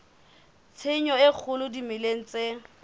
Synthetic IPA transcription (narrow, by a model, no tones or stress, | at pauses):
t͡sʰeɲɔɪk͡xʰʊlʊdimɪleŋ̩t͡se